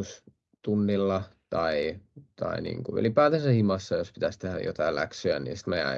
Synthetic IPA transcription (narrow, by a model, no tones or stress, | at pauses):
us | t̪unːilːɑt̪ɑit̪ɑ̰inḭːŋkuy̰lipæːt̪æsæhimɑsːɑjospi̥t̪æst̪ehæjo̰t̪ɑilæ̰ksyæ̰nḭːsi̥t̪meæ̰